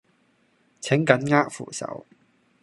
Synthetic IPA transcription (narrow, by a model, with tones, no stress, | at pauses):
t͡sʰɪ˨˥ŋkɐ˨˥nŋaː˥k̚fṵː˨˩sɐ̰˨˥w